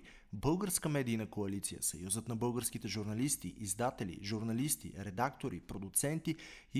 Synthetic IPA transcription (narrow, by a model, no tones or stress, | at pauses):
bɤlˠɡəɾskəmɛd̪iːnəkoɐlit̪sijə̰sɐ̰juzət̪nɐbɤlˠɡəɾsk̟it̪ɛʒuɾnɐlist̪iʔizd̪at̪ɛlḭʒuɾnɐlist̪ḭɾɛd̪akt̪oɾipɾod̪ut̪sɛnt̪i | i